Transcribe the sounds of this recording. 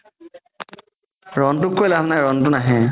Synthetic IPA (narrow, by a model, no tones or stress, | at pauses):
ɹɔntʊkːojlamnajɹɔntʊnaɦɛ̃